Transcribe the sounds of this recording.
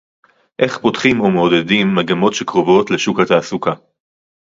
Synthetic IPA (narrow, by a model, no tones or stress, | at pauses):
ʔe̞χpo̞tχimo̞meodedimːaɡamo̞tʃe̞kʁovo̞tle̞ʃukat̪aːsuka